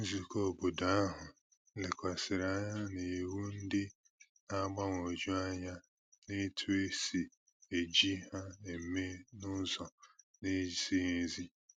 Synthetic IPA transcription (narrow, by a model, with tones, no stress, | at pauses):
n̩˦zi˨ko˦˨bo˨da˦ɦʊ˨ | lɪ˨kʷa˨sɪ˨ɾa˦ɲa˦ne˨wu˦n̩˦dɪ˦ | a˦ɡ͡ba˦ŋ˨o˨d͡ʒu˦a˦ɲa˦ | ne˦tʰu˦e˦si˨ | e˨d͡ʒi˦ha˦e˨me˦nʊ˦zɔ˨ | ne˦˨si˦ɦe˨zi˦